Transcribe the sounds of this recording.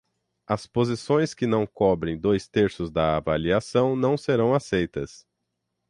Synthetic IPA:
ɐspozisõj̃skɪnɐ̃w̃kɔbɾẽj̃d̪ojst̪eɾsʊzd̪ɐavaliasɐ̃w̃nɐ̃w̃seɾɐ̃w̃asejt̪ɐs

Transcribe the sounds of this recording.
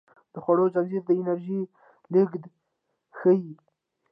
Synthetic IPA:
d̪̥əxwaɽod͡ʒanzet̪̚d̪əɪnaɾʒi | lɪɡd̪ | xəi

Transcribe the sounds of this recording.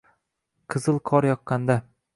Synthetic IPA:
qʰɨzɨlˠqʰɒɾjɒq̚qːɑnd̪a

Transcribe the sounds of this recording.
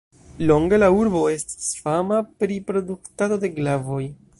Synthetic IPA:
lo̞ŋɡe̞lauɾbo̞e̞sti̥sfamapɾipɾo̞duktado̞de̞ɡlavo̞j

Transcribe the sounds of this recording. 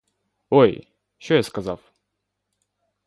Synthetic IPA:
oj | t͡ɕojaskɐzaf

